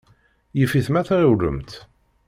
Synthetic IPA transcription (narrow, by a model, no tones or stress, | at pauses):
jəfiθmæθɾəwɾə̰mt̪